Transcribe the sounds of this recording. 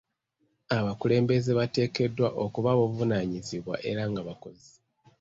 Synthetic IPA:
aβakule̞ːmbe̞zeβate̞ːke̞dːwaʔokuβaβovunaɲiziβwa̰ʔe̞ɾaŋɡaβako̞zi

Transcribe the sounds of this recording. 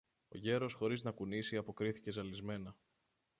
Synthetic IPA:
o̞̰ʝe̞ɾo̞sxo̞ɾiznɐkunisiɐpo̞kɾiθice̞zɐlizme̞nɐ

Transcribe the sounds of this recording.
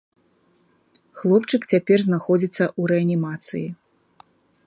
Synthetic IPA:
xlˠɔpt͡ʂɨkt͡sʲapʲɛrznaxɔd͡zʲit̪sːɐʔuɾɛɐnʲimat̪sɨ̰ji

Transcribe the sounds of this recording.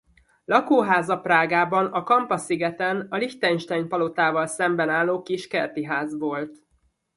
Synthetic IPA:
lɒkoːɦaːzɒpraːɡaːbɒnɒkɒmpɒsiɡɛt̪ɛnɒlift̪ɛnʃt̪ɛɲpɒlo̞t̪aːvɒlsɛmbɛnaːlːoːkiʃkɛ̰rt̪iɦaːzʋo̞lt̪

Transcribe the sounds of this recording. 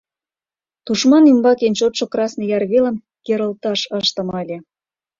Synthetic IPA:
t̪uʃmɑnymbɑkent͡ɕot̪ʃŏkrɑsnɤ̆jɑrβelə̆m | keɾə̆lt̪ɑʃəʃt̪ə̆mɑlʲe

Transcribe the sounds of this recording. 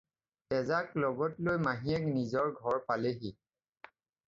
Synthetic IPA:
ɛzaklɔɡɔtlojmaɦiɛknizɔɹɡʱɔɹpaleɦi

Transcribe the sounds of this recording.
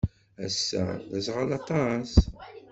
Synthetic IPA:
æsːæ̰ðæsʁəlɑt̪ˤɑs

